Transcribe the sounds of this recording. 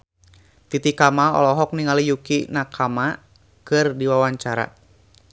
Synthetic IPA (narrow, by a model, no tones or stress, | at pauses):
t̪it̪ikamaɔ̰lɔɦɔk̚niŋalijukinakʰama | kɨrdiwawaɲt͡ʃaɾa̰